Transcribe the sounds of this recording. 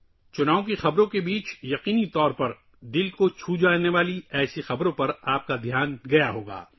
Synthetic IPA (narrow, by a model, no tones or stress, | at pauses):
t͡ʃʊnaːõkixɐbɾõkebiːt͡ʃjɐqiːnit̪ɔːɾpɐɾ | d̪ɪlkot͡ʃʰuːd͡ʒaːneʋaːliɛːsixɐbɾõpɐɾaːp̚kad̪ʱjaːnɡɐjaɦoːɡa̰ː